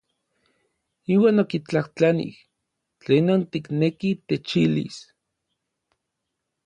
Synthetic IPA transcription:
iːwaːnokit͡ɬaht͡ɬanḭh | t͡ɬeːnont̪iknekit̪et͡ʃilḭs

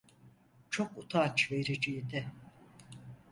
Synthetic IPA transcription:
t͡ʃʰo̞kut̪ʰat͡ʃve̞ɾid͡ʒijid̪ɛ

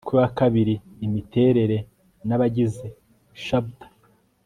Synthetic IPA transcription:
kuwakaβiɾiːmite̞ːɾe̞ɾe̞ | naβaɟize̞ | ʃabtḁ

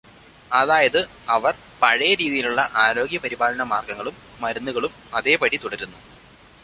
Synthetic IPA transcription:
ɐðaːjɐðɨ | ɐʋɐr | pɐɻɐjɐɾiːðijiluɭːɐʔaːɾo̞ːɡjɐpɐɾibaːlɐɳɐmaːrɡɐŋːɐɭumːɐɾunːuɣɐɭum | ɐðe̞ːpɐɽit̪uɽɐɾunːu

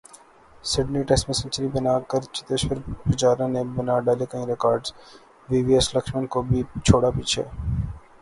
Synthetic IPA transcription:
sɪɖniːʈɛsmẽsə̃nt͡ʃəɾibənaːkəɾt͡ʃɪ̥t̪eʃwəɾpɪt͡ʃaːɾõnẽbɐnaɖaːlekəĩɾɪkaːɾɖz | ʋiːʋiɛslɐkʃmənkobʱit͡ʃʰoːɽapiːt͡ʃʰḛː

